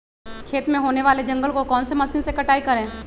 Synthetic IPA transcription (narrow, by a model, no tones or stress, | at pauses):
kʰeːt̪mẽɦoːneʋaːled͡ʒɐ̃ŋɡəlkokɔːnsemɐsiːnsekɐʈaːikɐɾẽː